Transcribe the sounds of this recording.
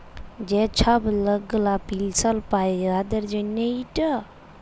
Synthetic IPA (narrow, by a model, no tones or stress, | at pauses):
d͡ʒet͡ʃʰəbləɡːlapilsəlpajad̪əɾd͡ʒənəiʈə